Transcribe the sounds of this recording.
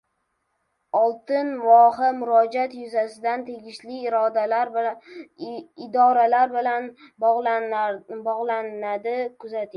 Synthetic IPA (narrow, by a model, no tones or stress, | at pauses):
ɒlˠt̪ɪnvɒɦɪmʊɾɒd͡ʒat̪jʊzasɪd̪ant̪ʰe̞ɡʲɪʃlɪːɾɒd̪alaɾ | ɪd̪ɒɾalaɾbɪlan | bɒʁlˠannad̪ɪkʰʊzat̪ʰɪ